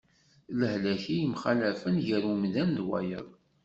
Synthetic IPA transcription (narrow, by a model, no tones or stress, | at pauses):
ləhlæçijəmχalæfənʝəɾumðænðwæ̰jə̰ðˤ